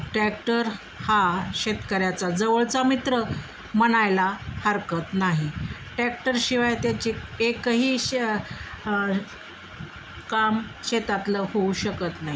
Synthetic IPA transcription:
ʈɾæk̚ʈəɾ | haɕet̪kəɾjat͡sad͡zəʋəɭt͡samit̪ɾə | məñajlahəɾkət̪naɦiʈɾæk̚ʈəɾɕiʋajt̪jat͡ɕiːekːəɦiː | kamɕet̪at̪ləhouɕəkət̪naɦi

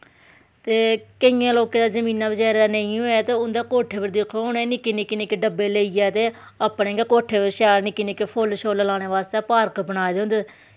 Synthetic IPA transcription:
t̪eːkəɪjãːloːkãːd̪aːzəmĩːnãːbəd͡ʒaːɾd̪aːnəĩːoːaːt̪eːʊnd̪eːkoːʈʰeːpəɾd̪ekʰoʊnẽːnɪkːinɪkːinekeɖəbːeːleːijɛːt̪eː | əpnẽːŋɡeːkoːʈʰːeːpəɾʃaːɾnɪkːinekepʰoːlʃoːlːlaːɽeːʋaːst̪eːpaːɾkbəñaːed̪eɦʊnd̪eː

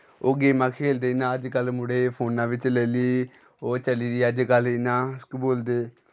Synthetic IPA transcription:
oɡeːmãːkʰeːld̪eːɪnãːəd͡ʒkəlmʊɽeːpʰoːnãːʋɪt͡ʃlɛːliː | oːt͡ʃəliːd̪iːəd͡ʒkəlɪnãːskboːld̪eː

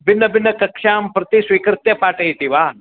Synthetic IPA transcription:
bɪnːɐbɪnːɐkɐkʂaːmpɾɐt̪isʋikɾɪt̪jɐpaːʈɐɦit̪iʋaː

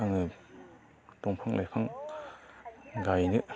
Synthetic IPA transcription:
aŋnɯ | tɔŋpʰaŋlʔajpʰaŋ | ɡajnɯ

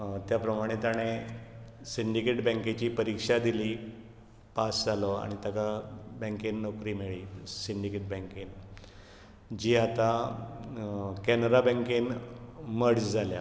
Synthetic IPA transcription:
t̪japɾəmaɽ̃et̪aɽ̃e | siɳɖikeʈbə̃ŋket͡ɕiːpəɾikʂad̪iliː | pasd͡zalɔa̰ɽ̃it̪akabɛ̃ŋkinnɔkɾiːmiɭiːsiɳɖikeʈ̚bɛ̃ŋkin | d͡ʑiːat̪a | kɛnɾabɛ̃ŋkinməɽd͡zd͡zʱalja̰

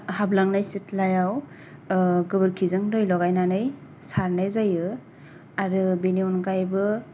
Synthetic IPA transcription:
hablaŋnajsitlajaw | ɡɯbɯɾkʰizɯŋdɯjlɔɡajnanɯj | saɾnajzajɯ | aɾɯbeniunɡajbɯ

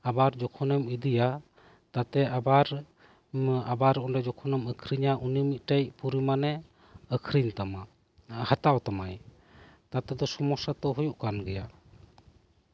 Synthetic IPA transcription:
abaɾd͡ʒɔkʰɔnɛmid̪ija | t̪at̪ɛʔabaɾ | abaɾɔnɖɛd͡ʒɔkʰɔnɛməkʰɾiɲaʔunimit̪̚ˀʈajpuɾimanɛ | əkʰɾiɲt̪ama | hat̪awt̪amaj | t̪at̪ɛd̪ɔsɔmɔsat̪ɔɦujuʔkanɡɛja

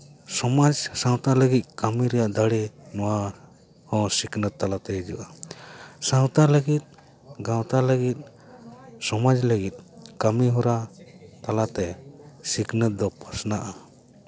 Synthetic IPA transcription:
sɔmad͡ʒsãw̃t̪aləɡit̪̚ˀkamiɾɛjaʔd̪aɽinɔwa | hɔ̃siknət̪̚ːalat̪ɛid͡ʒṵʔa | sãw̃t̪aləɡit̪̚ | ɡãwt̪aləɡit̪̚ˀ | sɔmad͡ʒləɡit̪̚ˀkamiɦɔɾat̪alat̪ɛsiknət̪̚d̪ɔpʰasnaʔa

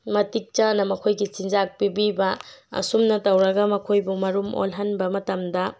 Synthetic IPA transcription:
mɐtik̚t͡ʃɐnɐmɐkʰojɡit͡ʃind͡ʒak̚pibibɐɐ̰sumnɐtɐwɾɐɡɐmɐkʰojbumɐɾumo̰lɦɐnbɐmɐtɐmdɐ

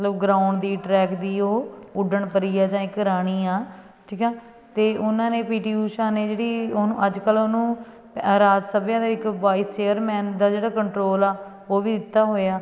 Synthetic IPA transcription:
ət̪ləbɡɾãːʊɳɖd̪iːʈɾɛːkd̪iːoːʊɖəɳpəɾiːaːd͡ʒãːɪkɾaːɽ̃iːaː | ʈʰiːkɛ̃ː | t̪eːʔʊnãːneːpiːʈiːuːʃãːneːd͡ʒeːɽiːonũːəd͡ʒkəloːnũː | ɾaːd͡ʒsəbjãːd̪aːɪkʋaːist͡ʃeːəɾmɛ̃ːnd̪aːd͡ʒeːɽaːkəɳʈɾoːlaː | oːʋiːd̪ɪt̪ːaːɦoːaː

